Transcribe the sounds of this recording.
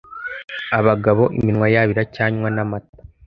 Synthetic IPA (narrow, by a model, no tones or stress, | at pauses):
aβaɡaβo̞ʔiminwajaβiɾacaːɲwanamat̚ḁ